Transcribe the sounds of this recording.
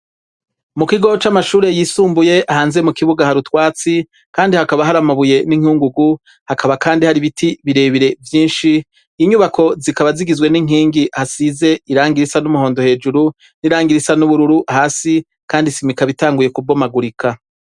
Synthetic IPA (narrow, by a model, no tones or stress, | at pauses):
mukiɡo̞t͡ʃamaʃuːɾe̞jiːsuːmbuje̞ʔahaːnzemukiβuɡahaɾutwaːt͡si | kaːndihakaβaɦaɾamaβuje̞niŋuːŋɡuɡu | hakʰaβakaːndihaɾiβitʰiβiɾe̞ːβiɾe̞vjiːnʃi | iɲuβakʰo̞zikaβaziɡizwe̞niŋ̥iːŋɡihasize̞iɾaːŋɡiɾisanumuho̞ːndo̞he̞ːd͡ʒuɾu | niɾaːŋɡiɾisanuβuɾuɾuʔahaːsi | kaːndisimikaβitaːŋɡuje̞kubomaɡuɾikʰa